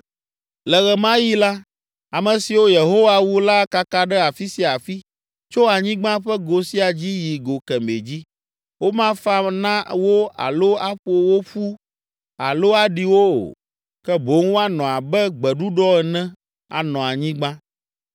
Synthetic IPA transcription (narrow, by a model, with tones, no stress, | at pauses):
lɛ˨ɣɛ˨mã˦ji˦la˦ | a˨mɛ̃˨si˨wo˦je˨ɦo˦wa˨wu˦la˦ka˦ka˦ɖɛ˦a˨fi˦si˦a˨fi˦ | t͡ʃo˦a˨ɲĩ˦ɡ͡bã˦ɸɛ˦ɡo˨si˦a˨d͡ʑi˦ji˨ɡo˨kɛ˨me˨d͡ʑi˦ | wo˦mã˦fa˦nã˦wo˦a̰˨lo˦a˦ɸo˨˦wo˦ɸu˦ | a˨lo˦a˨ɖi˨wo˦o̰˨ | kɛ˦bo˨˦ŋ˦wo˦a˦nɔ̃˨a˨bɛ˦ɡ͡bɛ˨ɖu˦ɖɔ˦ɛ˨nɛ̃˦ | a̰˨nɔ̃˨a˨ɲĩ˦ɡ͡bã˦